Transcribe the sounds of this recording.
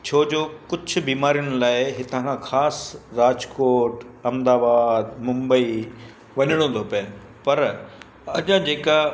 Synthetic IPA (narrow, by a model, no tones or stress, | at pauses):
t͡ɕʰoːd͡ʑoːkʊd͡ʑʰʱʊ̆biːmaːɾijʊɽ̃laːɪɦɪt̪ãkʰãxʰaːsɾaːd͡ʑkoːʈɐmd̪aːbaːd̪mʊ̃mbəi | ʋɐɲəɽ̃õːnd̪ʱopɐn̆ | pɐɾ | ɐʄãd͡ʑeːka